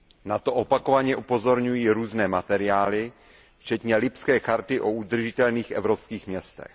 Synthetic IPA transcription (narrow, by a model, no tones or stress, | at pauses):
nat̪o̞ʔopako̞vaɲɛʔupo̞zo̞ɾɲujiːɾuːznɛːmat̪ɛɾɪaːlɪ | ft͡ʃɛt̪ɲɛlɪpskɛːxaɾt̪ɪʔoud̪r̩ʒɪt̪ɛlniːxʔɛ̰vɾopskiːxmɲɛst̪ɛ̰x